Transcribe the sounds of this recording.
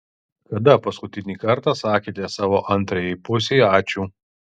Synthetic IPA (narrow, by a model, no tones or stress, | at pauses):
kɐd̪ɐpɐskʊt̪ʲɪnʲiːkɐɾˑt̪ɑːsɑːkʲeːt̪ʲɛsɑːʋoːʔɐnˑt̪ɾɐjɛɪpʊsʲeɑːt͡ʃʲuː